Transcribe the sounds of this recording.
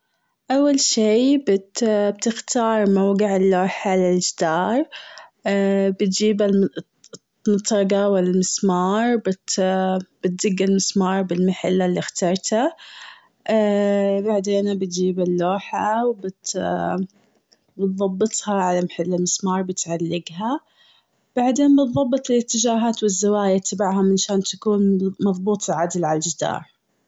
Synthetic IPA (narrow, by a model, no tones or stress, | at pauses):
ʔawːalʃiːbɪt̪b̚t̪ɪxt̪ɑːɾˤmawɡɪʕɪlːoːħalɪld͡ʒd̪ɑːɾˤ | bɪt̪d͡ʒiːbal | mʊt̪ˤɾˤɑɡawɪlalmɪsmɑːɾˤbɪt̪b̥ɪt̪̚zɪɡːalmɪsmɑːɾˤbɪlmaħalːalːixt̪ɑɾˤt̪a | baʕd̪eːnbɪt̪d͡ʒiːbɪlːoːħawbɪt̪ | bɨt̪ðˤɑbːɨt̪ˤhɑʕalamaħalːalmɪsmɑːɾˤbɪt̪ʕalːɪɡɦa | b̥aʕd̪eːnbɨt̪ðˤɑbːɨt̪ˤɪlɪt̪ːɪd͡ʒaːɦaːt̪wɪzːawaːjat̪ʰːabaʕɦamɪnʃaːnt̪akuːnmɑðˤbuːt̪ˤlʕad̪lʕalad͡ʒd̪ɑ̰ːɾˤ